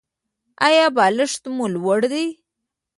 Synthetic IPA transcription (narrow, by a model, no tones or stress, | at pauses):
ajɑbɑləʂt̪mulwəɽd̪ij